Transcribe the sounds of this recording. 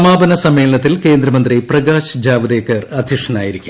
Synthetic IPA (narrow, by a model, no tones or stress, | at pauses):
maːbɐnɐsɐmːeːlɐɳɐt̪ːilke̞ːnd̪ɾɐmɐnd̪riprɐɡaːɕd͡ʑaːʋɐd̪eːkːɐrɐd̪ʱiʂɐna̰ːjiɾikʲːum